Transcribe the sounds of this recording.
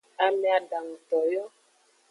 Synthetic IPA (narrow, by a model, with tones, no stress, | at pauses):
a˨mɛ˨a˨ɖa˨ŋ̩˨t̪ɔ˨jɔ˦